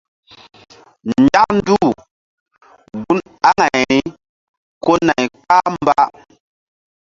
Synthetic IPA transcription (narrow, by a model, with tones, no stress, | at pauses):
nd͡ʒa˦k̚n˦du˦˨ | bu˦n | a˦ŋa˨jɾi˦ | ko˦na˨jk͡pa˦mba˦